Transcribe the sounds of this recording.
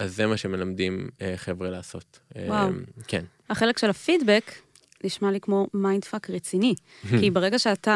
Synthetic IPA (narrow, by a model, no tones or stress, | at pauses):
azːemaʃeme̞lamdimeχevʁelaːso̞t | ewawkʰen | haχe̞le̞kʃelafidbek | liʃmalikmo̞majndfakʁet͡sini | kibeʁe̞ɡaʃeata